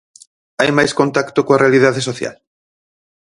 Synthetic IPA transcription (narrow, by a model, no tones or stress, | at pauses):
ajmajskont̪akt̪okoarealið̞aðesoθja̰l